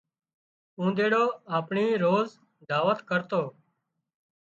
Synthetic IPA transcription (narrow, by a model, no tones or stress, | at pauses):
ũːd̪eːɽoːaːpɳiːɾoːz | d̪aːʋət̪kəɾt̪oː